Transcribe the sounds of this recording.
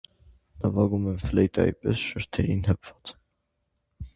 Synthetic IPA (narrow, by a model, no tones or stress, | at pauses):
nɑvɑɡumɛmflɛjt̪ɑ̰jḭpɛsʃəɾt̪ʰɛɾinɦəpʰv̥ɑ̥t͡s